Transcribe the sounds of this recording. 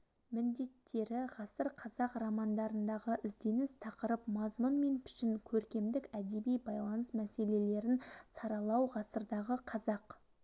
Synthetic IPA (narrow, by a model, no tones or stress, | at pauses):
mɪnd̪e̞t̪ʰːe̞ɾɪʁɑsəɾqʰɑzɑqrɑmɑnd̪ɑɾənd̪ɑʁəʔɪzd̪e̞nɪst̪ʰɑqəɾəpmɑzmʊnme̞npʰɪ̥ʃɪŋkʲʰɵɾkʲe̞md̪ɪkæd̪e̞bijbɑjlˠɑnəsmæse̞le̞le̞ɾɪnsɑɾɑlˠɑwʁɑsəɾd̪ɑʁəqʰɑzɑq